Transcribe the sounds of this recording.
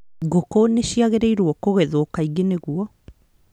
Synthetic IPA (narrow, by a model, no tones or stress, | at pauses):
ɡokoneɕiaɣeɾɛiɾwɔkoɣɛðoɔkaiɣeneɣuɔ